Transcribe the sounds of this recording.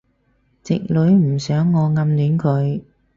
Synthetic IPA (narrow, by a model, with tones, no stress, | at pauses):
t͡sɪ̰˨k̚lɵ˨˥ɥm̩˨˩sœː˨˥ŋːɔː˨˧ŋɐ˨˧mlyː˨˥nkʰɵ˨˧ɥ